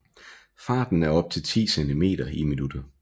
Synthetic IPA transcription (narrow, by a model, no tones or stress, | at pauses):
fɑ̈ːd̥n̩æɐɒ̽b̥̚t͡sʰe̝lt͡sʰḭːsend̥ʰime̝̰ːɾ̥ɐiminud̥ɐ